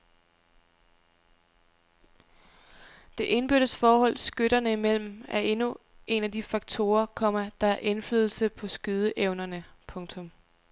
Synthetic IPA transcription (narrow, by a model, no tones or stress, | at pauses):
d̥e̝ʔe̝nb̥yɾ̥əsfɒːhɒ̽l̰sɡ̥øɾ̥ɐnəimel̰m̩æɐʔe̝nu | ʔe̝næd̥ifɑ̈ɡ̥̚t͡sʰo̝ːɐkʰɒ̽mɐd̥ɑ̈æɐʔe̝nflyðˠl̩səpʰɒ̽sɡ̥yð̞ˠəʔeʊnɐnəpʰɔ̽ŋt͡sʰɔ̽m